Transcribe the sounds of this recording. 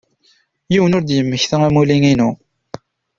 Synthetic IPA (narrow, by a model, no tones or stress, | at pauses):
jiwənʊɾd̪jəmːəçθəæmuliŋinu